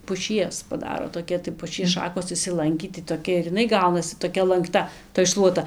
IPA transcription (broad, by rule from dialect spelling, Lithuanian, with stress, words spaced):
pʊˈʃʲiɛs pɐˈdɑːroː toːˈkʲɛ tɐɪ pʊˈʃʲiɛs ˈʃɑːkoːs ɪʃʲsʲɪˈlˠɐŋʲkʲiː tɐɪ toːˈkʲɛ ɪr ɪˈnɐɪ ˈɡɐʊnɐsʲɪ toːˈkʲɛ lˠɐŋkˈtɐ toːj ˈʃlˠuɔtɐ